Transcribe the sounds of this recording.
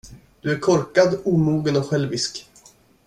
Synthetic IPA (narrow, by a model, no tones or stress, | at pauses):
d̪̥ɵæɾkʰɔɾkad̪uːmuːɡənɔɧɛlvɪsk